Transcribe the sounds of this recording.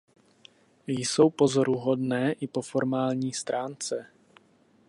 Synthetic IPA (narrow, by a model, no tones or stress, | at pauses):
jso̞wpo̞zoɾuɦo̞dnɛːʔɪpo̞foɾmaːlɲiːst̪ɾaːnt͡sɛ